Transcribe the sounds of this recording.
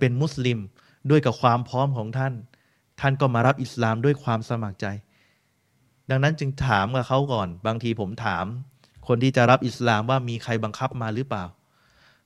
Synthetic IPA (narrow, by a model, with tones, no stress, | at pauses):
pe˧nmu˦˥˩sli˧m | du˥˩əjka˨˩p̚kʰwaː˧mpʰɔː˦˥mkʰɔː˩˦ŋt̪ʰa˥˩n | t̪ʰa˥˩nkɔː˥˩maː˧ɾa˦˥p̚ʔi˨˩slaː˧mdu˥˩əjkʰwaː˧msa˧ma˨˩k̚t͡ɕa˧j | da˧ŋna˦˥nt͡ɕɯ˧ŋt̪ʰaː˩˦mkaː˨˩kʰa˦˥˩wkɔː˨˩nbaː˧ŋt̪ʰiː˧pʰo˩˦mt̪ʰaː˩˦m | kʰo˧nt̪ʰiː˥˩t͡ɕa˨˩ɾa˦˥p̚ʔi˨˩slaː˧mwaː˥˩miː˧kʰa˧jba˧ŋkʰa˦˥p̚maː˧ɾɯː˦˥plaː˨˩w